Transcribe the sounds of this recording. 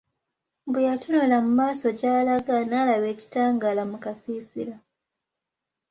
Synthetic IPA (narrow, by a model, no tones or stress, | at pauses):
bujatunolamumaːso̞ɟaːlaɡanaːlaβe̞ːci̥taːŋɡalamukasiːsila